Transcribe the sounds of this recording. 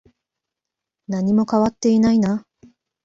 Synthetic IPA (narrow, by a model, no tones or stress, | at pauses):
naɲ̟imo̞kaβat̪ːe̞inaina